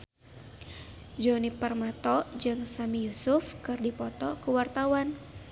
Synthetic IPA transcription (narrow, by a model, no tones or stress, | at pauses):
d͡ʒɔnipərmat̪ɔd͡ʒɨŋsamijusʊfkɨrdipɔt̪ɔkəwart̪awan